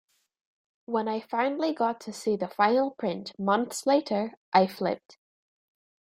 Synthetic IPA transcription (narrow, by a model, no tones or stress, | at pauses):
wə̃naɪfãɪ̃nl̩ˠiɡɔtʰəsiðəfãɪ̃nəl̩ˠpʰɹ̥ɪ̃nʔmʌ̃nθslˠeʔə˞ʔaɪflɪ̰p̚t